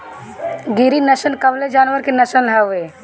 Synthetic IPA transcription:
ɡiɾinəʃənkɐbled͡ʒaːnʋəɾkenɐʃənlaʊeː

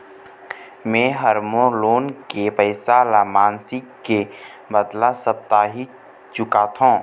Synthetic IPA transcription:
mẽːɦəɾmõloːnkepəɪsaːlamaːnsɪkːe | bəd̪lasəp̚t̪aːɦi | t͡ʃʊkat̪ʰõː

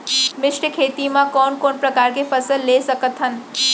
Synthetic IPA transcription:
mɪʃʈəkʰeːt̪imãkɔːnkoːnpɾəkaːɾkefʰəsəlːesəkət̪ɦən

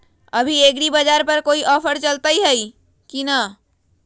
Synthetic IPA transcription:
ɐbʱieːɡɾibad͡ʒaːɾpɐɾkoːiʔɔːpʰəɾt͡ʃɐlt̪aiɦɛi | kina

